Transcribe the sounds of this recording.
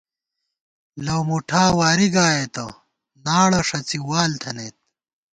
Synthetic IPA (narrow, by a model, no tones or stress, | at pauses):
lɐwmuʈʰaːwaːɾiɡaːjet̪o | naːɽɐʂɐt͡siwaːlt̪ʰɐneːt̪̚